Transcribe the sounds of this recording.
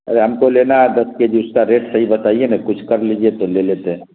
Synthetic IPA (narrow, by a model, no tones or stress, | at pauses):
ɐ̰ɾeɦɐmkolenaɦɛd̪ɐsked͡ʒiʊskaɾeːʈsɐɦibɐt̪aːienakʊt͡ʃʰkəɾlid͡ʒiet̪olelet̪eɦɛ̃